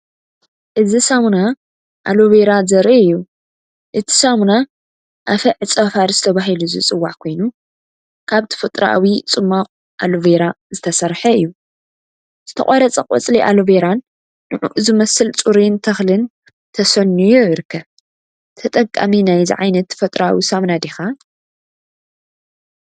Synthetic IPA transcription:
ʔɨzisamna | ʔa̰loβeɾazɐɾʔiɨjːu | ʔɨt̪ʰi̥samna | ʔafɐʕɨt͡sʼɐfaɾzɨt̪ʰɐβaɦiluzɨ̰t͡sʼɨwːaħkʰo̞jnu | kʰaβt̪ʰɨ̥fɨt̪ʼɾaʔawit͡sʼɨmːaχʼ | ʔaloveɾa | zɨt̪ʰɐsɐɾħɐɨjːu | z̥ɨt̪ʰɐ̰kʼaɾɐt͡sʼɐkʼɔ̰t͡sʼliʔa̰loveɾanː | ɨʕuʔzɨmɐsɨlt͡sʼuɾint̪ʰɐxlɨn | t̪ʰɐsɐnːujuɨɾɨkʰːɐβ | t̪ʰɐt̪ʼɐkʼːa̰minajzḭʕajnɐt̪fɐt̪ʼɾaa̰wisamnad̪exa

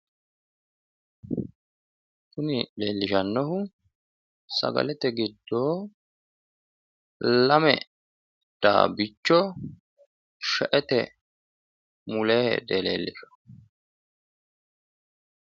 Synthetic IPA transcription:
kʊnɪleːlːɪʃɐnːɔhʊ | sɐ̰ɡɐ̰lɛt̪ɛɡɪd̪ːoː | lɐmɛ̰ | d̪̥a̰ːbɪt͡ʃːɔ | ʃɛʔɛt̪ɛ | mʊleːhɛ̰d̪elḛːlːɪʃɔ̥

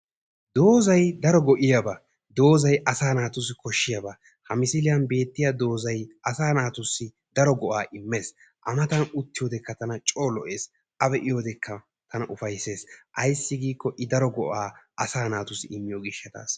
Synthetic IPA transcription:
d̪o̞ːzɐjd̪ɐɾɔɡɔʔɪjabɐ | d̪o̞ːzɐjʔɐsaːnaːt̪ʊsɪkɔʃːɪjɐbɐ | hɐmɪsɪlɪjɐnbe̞ːt̪ːɪjad̪o̞ːzɐjʔɐsaːnaːt̪ʊsːɪ | d̪ɐɾɔɡɔʔaːʔɪmːe̞ːs | ʔɐ̰mɐt̪ɐnʊt̪ːɪjo̞ːd̪ɛkːɐt̪ɐnɐt͡ʃʼo̞ːlɔʔe̞ːs | ʔɐbɛʔɪjo̞ːd̪ɛkːɐ | t̪ʰɐnɐʔʊfɐjse̞ːsʔɐjsːɪɡiːkːɔʔɪd̪ɐɾɔɡɔʔaːʔɐsaːnaːt̪ʊsɪɪmːɪjoɡɪʃːɐt̪a̰ːs

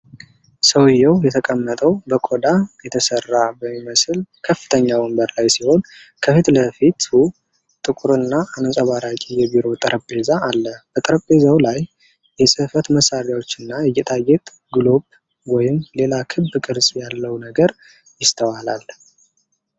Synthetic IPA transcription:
səwjːɛwjɛt̪ʰəkʼəmːət̪ʼəwbəkʼod̪ajɛt̪ʰəsərːabəmːiməsɨlkʰəfːɨ̥t̪ʰəɲːawəmbəɾlajsiho̞n | kʰəfit̪ləfit̪hu | t̪ʼɨkʼuɾɨnːaːnəsʼaβaɾakʼijɛbiɾo̞t̪ʼəɾʔəpʼːe̞zaːlːəb̥ət̪ʼəɾəpʼbe̞zawlaj | jɛsʼɨhfət̪məsːaɾjawot͡ʃːɨnːajɛjːɛt̪ʰʼajːɛt̪ʼ | ɡɨlo̞b | wɔjɪmle̞lakʰɨbːkʼɨɾsʼjalːəwnəɡəɾ | jɪst̪ʰəwalal

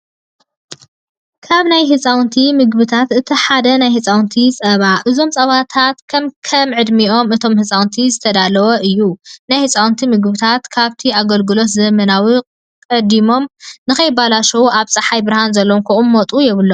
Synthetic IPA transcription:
kʰaβnajɦɨt͡sʼawnt̪ʰimɨɡbɨt̪ʰat̪ɨt̪ʰiħad̪ɐnajhɨt͡sʼawnt̪ʰit͡sʼɐβaʔɨzo̞mt͡sʼɐβat̪ʰat̪kʰɐmkʰɐmʕɨd̪miʔo̞mɨt̪ʰo̞mhɨt͡sʼawnt̪ʰizɨt̪ʰɐd̪alɐwɐʔɨjːunajhɨt͡sʼawnt̪ʰimɨɡbɨt̪ʰat̪kʰaβt̪ʰiaɡɐlɡɨlo̞t̪zɐmɐnawi | kʼɐd̪imo̞mnɨxkɐjbalaʃɐwuʔaβsʼɐħajbɨɾhanzɐlːomkʰɐʔunmot̪ʼujɛβɨlːo

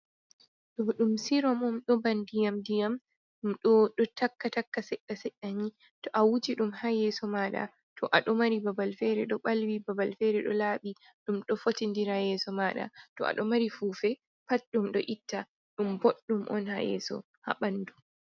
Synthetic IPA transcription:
ɗɔɗumsiɾɔmɔmɗɔbandijamdijam | ɗumɗɔɗɔtakːatakːasɛɗːasɛɗaɲi | tɔʔawud͡ʒiɗumhajɛsɔmaːɗa̰ | tʰɔʔaɗɔmaɾibabalfɛɾɛɗɔɓalwibabalfɛɾɛɗɔ̰laːɓi | ɗumɗɔfotindiɾajɛsɔmaɗa̰tɔ̰a̰ɗɔmaɾifuːfɛ | pat̚ɗumɗɔ̰ʔitːa | ɗumboɗːumʔɔ̰nha̰jɛ̰sɔ̰ | ha̰ɓandu

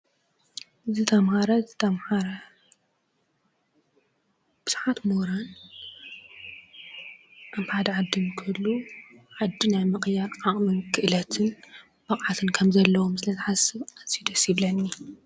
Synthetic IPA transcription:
ʔɨzit̪ʰɐmhaɾɐt̪ʰɐmħaɾɐ | b̥ɨz̥uħat̪moɾan | ʔaβħad̪ɐʕad̪ːɨmkʰɨlːuʕad̪ːinajmɨχʼjaɾʔaχʼmɨnkʰɨʔɨlɐt̪ʰɨn | bɐqʼʕat̪ʰɨnkʰɐmzɐlːɐwomsɨlɐzħasɨβazijd̪ɐsiβlɐnːi

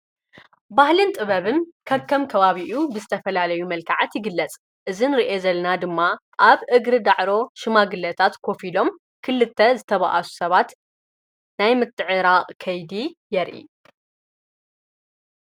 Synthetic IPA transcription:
bahlɨnt̪ʼɨβɐβɨnkʰɐβkʰːɐmkʰɐβaβiʔubɨzɨt̪ʰɐfɐlalɐjumɐlkʰaʕat̪jɪɡɨlːɐt͡sʼ | ʔɨzinɨɾiʔe̞zɐlɐnad̪ɨmːa | ʔaβʔɨɡɾɨd̪aʕɾo̞ʃɨmaɡɨlːɐt̪ʰat̪kʰo̞filo̞m | kʰɨlːɨt̪ʰːɐzɨt̪ʰɐβa̰ʔasu̥sɐβat̪ | najmɨt̪ʰːɨʕɨɾaqʼkʰɐjd̪ijɛɾʔḭ

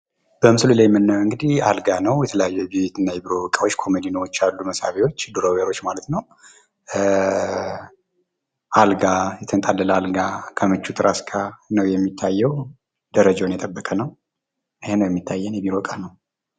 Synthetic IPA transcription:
b̥əmɨsɨlulajmːɨnːəwɨŋɡɨd̪ihalɡanəwjɛt̪ʰələjajːɛbit̪ɨnːajɛbiɾo̞kʼawo̞t͡ʃːkʰo̞med̪inəwot͡ʃːalːuməsa̰βewo̞t͡ʃːd̪oɾoβeɾo̞t͡ʃːmalət̪nəw | ʔalɡajɛt̪ʰənt̪ʼalːələalɡakʰəmɨt͡ʃːut̪ʰɾaskʰanəwjɛmːit̪ʰːajːɛw | d̪əɾəd͡ʒawnjɛt̪ʼəbːəkʼənəw | ʔɨhenəwjɛmːit̪ʰːajːɛnjɛbiɾokʼanəw

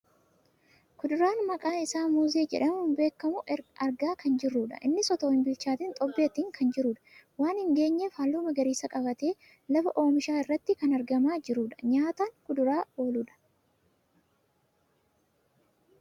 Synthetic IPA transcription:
kʊd̪ʊɾaːnmɐkʼaːnɪsaːmuːzeːd͡ʒɛ̰ᶑɐmhʊmbe̞ːkːɐmʊɐɾɡaːkɐnd͡ʒɪrːuːᶑɐ̰ʔɪnːɪsɔt̪oːɪmbɪlt͡ʃaːt̪ɪnt̪ʼɔbːeːt̪iːŋkʰɐnd͡ʒɪɾuːᶑɐ̥waːnhɪŋɡe̞ːɲːefaːlːuːmɐɡɐɾiːsɐkʼɐbɐt̪e̞ː | lɐfɐʔo̞ːmɪʃaːɪrːɐt̪ːɪkɐnɐɾɡɐmaːd͡ʒɪɾuːᶑɐ̥ɲaːt̪aːŋkʊd̪ʊɾaːo̞ːluːᶑɐ̥

